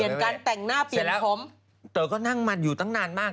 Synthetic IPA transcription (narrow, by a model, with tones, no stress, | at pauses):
i˨˩ənkaː˧nt̪ɛ˨˩ŋnaː˥˩pi˨˧˩lːpʰo˨˦˥m | t̪əː˨˩kɔː˥˩na˥˩ŋma˧˥njuː˨˩t̪ʰa˦˥˩ŋnaː˧nmaː˥˩k